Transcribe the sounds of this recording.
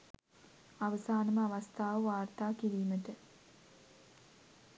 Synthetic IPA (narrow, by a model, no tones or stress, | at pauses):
aʋəsaːnəməaʋast̪ʰaːʋəʋaːrt̪aːkiɾiːməʈə